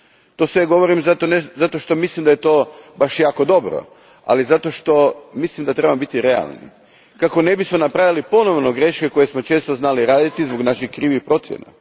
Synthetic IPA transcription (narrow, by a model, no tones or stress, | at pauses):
t̪o̞sʋe̞ɡo̞ʋo̞ɾimzat̪onezat̪o̞ʃt̪o̞mislimd̪ajet̪o̞ːbaʃjaːko̞d̪o̞bɾo̰ | a̰lizat̪o̞ʃt̪o̞mislimd̪at̪ɾebamobit̪iɾe̞a̰lˠnḭ | kako̞ne̞bismo̞napɾaʋjalipo̞no̞ʋnoɡɾe̞ʃke̞ko̞jesmo̞t͡ʃe̞ːst̪o̞znaliɾaːd̪it̪izboɡnaʃixkɾiːʋipɾo̞t̪sjḛna̰